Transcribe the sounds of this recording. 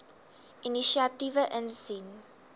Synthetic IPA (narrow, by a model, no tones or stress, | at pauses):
iniʃiativəʔə̃nsin